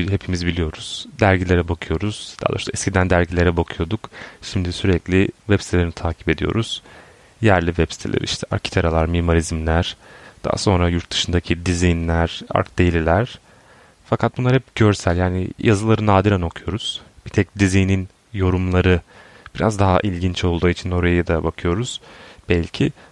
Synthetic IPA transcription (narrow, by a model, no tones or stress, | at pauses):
ɦe̞pʰimizbilʲijo̞ɾuz̥d̪æɾɟilʲe̞ɾɛbakʰɯjo̞ɾuz̥d̪a̰ːd̪ˠaʃt̪aɛscʰid̪ænd̪æɾɟilʲe̞ɾɛbakʰɯjo̞d̪ukʃimd̪isyɾɛclʲɪvɛpst̪ʰelʲeɾinit̪ʰaːcʰi̥pe̞d̪ijo̞̰ɾuz̥ | jæɾlʲivɛpsit̪ʰelʲḛɾiḭʃt̪ʰɛʔa̰ɾcʰi̥t̪ʰaɾalˠaɾmiimoɾizmlʲæɾ̥d̪̥a̰ha̰so̞nɾajuɾt̪̚d̪ɯ̥ʃɯnd̪acʰid̪izijnlʲæɾ̥a̰ɾk̚d̪ejlʲilʲæɾ̥ | fakʰat̪̚bunˠaɾhɛp̚ɟø̞ɾsælʲjaːnḭjʔazɯlˠaɾɯnaːd̪iɾano̞kʰujo̞ɾuz̥b̥it̪ʰɛc̚d̪izijnin | jo̞ɾumlˠaɾɯ | b̥iɾa̰zd̪aɦa̰ʔilʲɟint͡ʃo̞lˠd̪uːit͡ʃʰino̞ɾajajɯd̪abakʰɯjo̞ɾuz̥b̥ɛlʲcʰi